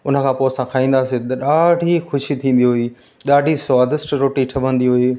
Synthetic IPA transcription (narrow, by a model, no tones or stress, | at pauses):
ʊnə̆kʰãːpoːsãkʰaːĩːn̆d̪aːset̪ɐɗaːɖʱixʊʃit̪ʰĩːn̆d̪iɦʊiː | ɗaːɖʱisaːd̪ɪsʈɾoːʈiʈʰɐʋə̃nd̪iɦʊeː